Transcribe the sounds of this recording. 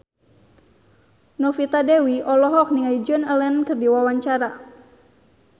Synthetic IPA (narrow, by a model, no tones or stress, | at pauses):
nɔfit̪adɛwiʔɔlɔɦɔk̚niŋaid͡ʒɔnɛlɛnkɨrdiwawaɲt͡ʃaɾa